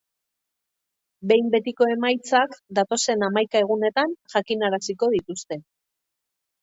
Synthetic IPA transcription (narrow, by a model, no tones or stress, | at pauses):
be̞jmbe̞t̪iko̞e̞majt͡sakd̪at̪o̞se̞namajkae̞ɣ̞une̞t̪anʝakinaɾasiko̞ð̞it̪ust̪e̞